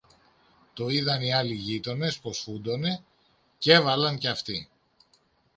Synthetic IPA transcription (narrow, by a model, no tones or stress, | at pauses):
t̪o̞iðɐniɐliʝit̪o̞ne̞sposfund̪o̞ne̞ | ce̞vɐlɐnceɐft̪i